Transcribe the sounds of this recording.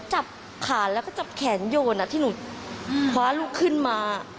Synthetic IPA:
t͡ɕa˨˩p̚ | kʰaː˨˩˦nlɛː˦˥wkɔː˥˩t͡ɕa˨˩p̚kʰɛː˩˦njoː˧nːa˧˩t̪ʰiː˥˩nuː˨˩˦kʰwaː˦˥lu˦˥˩kʰːɯ˥˩nmaː˧

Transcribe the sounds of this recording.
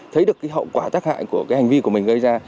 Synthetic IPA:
t̪ʰə˨˦jɗəkːaː˨˦ɦə̰˧˨wkwaː˧˩t̪aː˦˥k̚ha̰ː˧˨jku˧˩əkaː˨˦jha˨˩ŋ̟vi˧ku˧˩əmï˨˩ŋ̟ɣə˧jzaː˧

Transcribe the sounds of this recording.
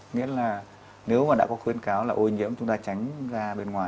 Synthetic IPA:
ŋḭ˧˥əlaː˨˩ | ne˨˦wmaː˨˩ɗa̰ː˧˥kɔ˨˦xwi˧ənkaː˨˦wlaː˨˩ʔo˧ɲḭ˧˥əmt͡ɕʊ˨˦ŋ͡mt̪aː˧t͡ɕa˨˦jŋ̟zaː˧ɓe˧nŋwaː˨˩

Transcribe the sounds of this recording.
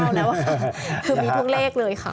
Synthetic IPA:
wlɛː˦˥waː˥˩˥kʰɯː˧miː˧t̪ʰu˦˥˩k̚leː˥˩k̚lɤː˧jkʰa˥˩

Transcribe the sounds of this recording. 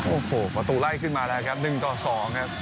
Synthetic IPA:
ʔoː˧˩hoː˨˩pɾa˧t̪uː˧la˥˩jkʰɯ˥˩nmaː˧la˦˥˩kʰa˦˥p̚nɯ˨˩ŋkɔː˥˩sɔː˩˦ŋkʰa˦˥

